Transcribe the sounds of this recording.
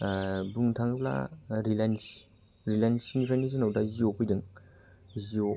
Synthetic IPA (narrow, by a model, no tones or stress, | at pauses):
buŋtʰaŋɯpla̰ɾilans | ɾilajnsinipʰajnis̬inawdaziopʰɯjdɯŋ | zio